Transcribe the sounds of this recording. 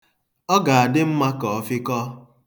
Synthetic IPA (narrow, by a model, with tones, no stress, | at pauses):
ɔ˦ɡa˨a˨dɪ˦m̩˦ma˦kɔ˨ɔ˦fɪ˦kɔ˦